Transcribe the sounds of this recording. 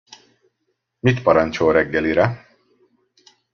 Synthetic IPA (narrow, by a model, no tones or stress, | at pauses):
mit̪pɒɾɒnt͡ʃolɾɛɡːɛliɾɛ